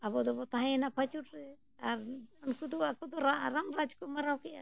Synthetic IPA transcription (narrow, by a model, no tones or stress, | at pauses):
abɔd̪ɔbɔt̪aɦɛɛnapat͡ʃuʈɾɛ | aɾɔnkud̪uakɔd̪ɔɾaɾamɾad͡ʒkɔmaɾawkɛʔa̰